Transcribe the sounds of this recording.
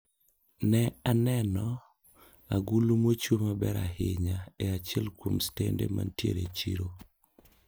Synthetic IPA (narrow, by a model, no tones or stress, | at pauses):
nɛanɛnɔ | aɡulumot͡ʃomabɛɾahɪɲaeat͡ʃɛlkwomstendḛma̰ntjeɾet͡ʃiɾo